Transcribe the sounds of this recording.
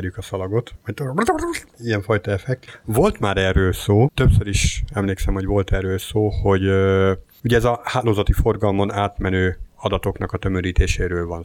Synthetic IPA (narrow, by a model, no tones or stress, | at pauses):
rjykɒsɒlɒɡo̞t̪ʋɒct̪o | iɛɱfɒjt̪ɒɛfɛkvo̞lt̪maːɾɛrːøːlsoːt̪ø̞psøɾiʃɛmleːksɛmho̞ɟvo̞lt̪ɛrːøːlsoːho̞ɟ | uɟɛɛzɒhaːloːzɒt̪ifo̞rɡɒlmo̞naːt̪mɛnøːɒd̪ɒt̪o̞knɒkɒt̪ø̞møɾiːt̪ʰeːʃeːɾøːlvɒn